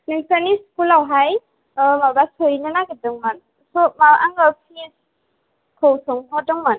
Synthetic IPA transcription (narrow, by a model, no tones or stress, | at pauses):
niŋsaniskulawɦaj | mabasɔɾinɯnaɡedɯŋman | sɔmaʔaŋapʰis | kʰɯwsɔŋɦɔdɯŋman